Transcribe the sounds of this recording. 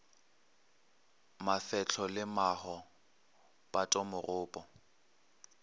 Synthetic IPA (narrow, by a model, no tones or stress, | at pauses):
mafɛt͡ɬʰɔlɪmahɔ | pʼatʼɔmʊrʊːpʼɔ